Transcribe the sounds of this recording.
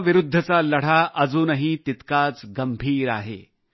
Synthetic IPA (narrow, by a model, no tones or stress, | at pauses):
ʋiɾud̪ʱːət͡saləɽ̤aʔəd͡zuːnəɦit̪it̪kaːt͡sɡəmbʱiːɾa̰ːɦḛ